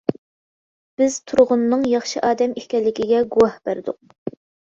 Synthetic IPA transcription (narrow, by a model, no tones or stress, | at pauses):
b̥ɪz̥t̪ʰuɾʁʊnːɨŋjɑχʃɨʔɑːd̪ɛmehkʲɛlːɪkʲiɡʲɛɡuwɑhb̥æɾd̪ʊ̰q̚